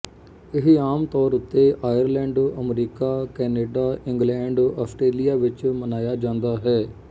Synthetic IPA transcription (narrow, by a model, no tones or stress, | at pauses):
ɪɦaːmt̪ɔːɾʊt̪ːeːʔaːjəɾlɛ̃ːɳɖəmɾiːkaːkɛːneːɖaːʔɪ̃ŋɡlɛ̃ːɳɖɔːsʈɾeːlijaːʋɪt͡ʃmənaːjaːd͡ʒãːnd̪aːɦɛː